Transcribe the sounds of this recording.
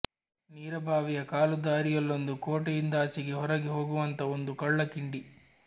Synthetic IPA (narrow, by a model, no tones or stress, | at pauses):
niːɾɐbʱaːʋijɐkaːlud̪aːɾijɐlːond̪ukoːʈɐjind̪ɐːt͡ʃiɡiɦɔɾɐɡiɦoːɡuʋɐnt̪ɐond̪ukɐɭːɐkiɳɖi